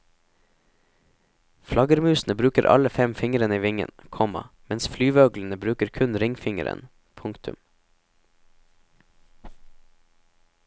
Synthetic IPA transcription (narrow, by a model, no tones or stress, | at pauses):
flɑɡəɾmʉːsn̩əbɾʉːkəɾʔɑ̰ləfɛmfɪŋəɾənəiːʋɪŋə̰nkʰɔmɑ̰mɛnsflyːʋøːɡln̩əbɾʉːkəɾkʰʉnɾɪŋfɪŋə̰ɾə̰n | pʰʊŋkt̪ʰʉ̰m